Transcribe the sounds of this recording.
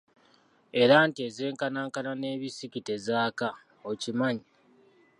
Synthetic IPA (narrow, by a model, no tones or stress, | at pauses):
e̞ɾantie̞ze̞ːŋkanaːŋkanane̞ːβisicite̞zaːka | ocimaɲi